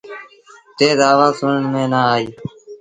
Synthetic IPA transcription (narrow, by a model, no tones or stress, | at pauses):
t̪eːd̪aːʋãːsʊnəɳmẽːnaːaːiː